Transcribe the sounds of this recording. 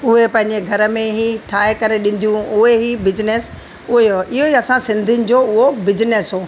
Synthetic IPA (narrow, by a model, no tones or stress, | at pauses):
ʊɦepɐ̃ɦɪ̃ɲd͡ʑeɡʱɐɾə̆mẽɦiʈʰaːekɐɾeɗɪ̃n̆d̪ijũʊɦeɦibɪd͡ʑɪnes | ʊɦeoɪɦoɦiɐsãsɪ̃nd̪ʱinɪ̆d͡ʑoːʊɦobɪd͡ʑɪnesɦoː